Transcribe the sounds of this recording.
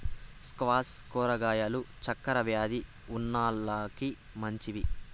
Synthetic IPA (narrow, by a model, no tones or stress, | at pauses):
skʋaːskɔːɾɐɡaːjɐlut͡ʃɐkːɐɾɐʋjaːd̪i | unːaːlːaːki | mɐɲt͡ʃiʋi